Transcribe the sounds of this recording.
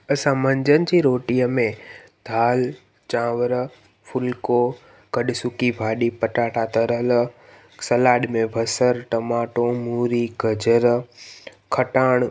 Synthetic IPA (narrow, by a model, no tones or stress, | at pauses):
ɐsãmɐ̃ɲd͡ʑənɪ̆d͡ʑiːɾoːʈiəmẽ | d̪ʱaːl | t͡ɕãːʋəɾ | fʰʊlko | kɐɗɪsʊkibʱaːɗipɐʈaːʈat̪ɐɾəl | sɐlaːɗmẽbʱɐsəɾʈɐmaːʈomuːɾiɡəd͡ʑəɾ | kʰəʈaːɽ̃